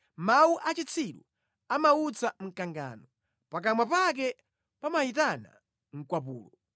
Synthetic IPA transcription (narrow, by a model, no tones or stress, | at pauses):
mauʔat͡ʃit͡sʰiɗu | amaut͡sʰam̩kaŋɡa̰ːnɔ | pak̬amwapak̬ɛ | pamaitana̰ | ŋ̩kwapuːlɔ